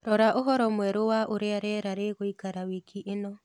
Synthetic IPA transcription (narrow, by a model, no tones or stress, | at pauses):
ɾɔɾaʔoɦɔɾɔmwɛɾowaʔoɾeaɾɛɾaɾeɣoikaɾawikʰiʔenɔ